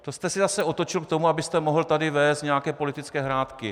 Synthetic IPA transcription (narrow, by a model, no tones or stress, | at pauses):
t̪o̞st̪ɛsɪzasɛʔo̞t̪o̞t͡ʃɪlkt̪o̞muabɪst̪ɛmo̞ɦlt̪adɪvɛːst̪ɲɛjakɛːpo̞lɪt̪ɪt͡skɛːɦɾaːt̪kɪ